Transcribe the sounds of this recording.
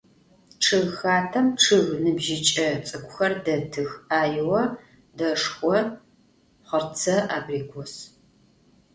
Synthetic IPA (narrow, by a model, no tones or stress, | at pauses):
ʈ͡ʂʰɨɣxaːtʰɐmʈ͡ʂʰɨɣnɨbʒɪt͡ʃʼɐt͡sʼɨkʷʼʊxɐrdɐtʰɨxaːjɪwɐ | dɐʂxʷɔ | χərt͡sʰɐʔaːbriːɡʷʰɔs